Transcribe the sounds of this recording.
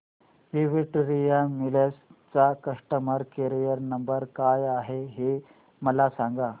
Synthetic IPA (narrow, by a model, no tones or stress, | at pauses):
ʋiʋiʈɾijamilest͡sakəʂʈəməɾkeɾijəɾnəmbəɾkajaɦeɦe | məlasãŋɡa